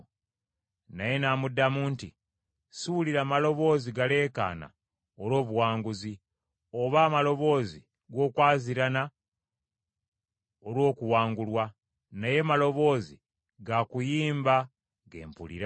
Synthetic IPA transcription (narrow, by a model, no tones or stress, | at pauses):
naje̞namudːamuːnti | suliɾamalo̞βo̞ːziɡale̞ːka̰ːna̰ | oɾo̞ːβuwaːŋɡuzi | oβaːmalo̞βo̞ːzi | ɡo̞ːkwaːziɾana | olwo̞ːkuwaːŋɡulwa | naje̞malo̞βo̞ːzi | ɡakujiːmba | ɡe̞̰ːmpṵlḭɾa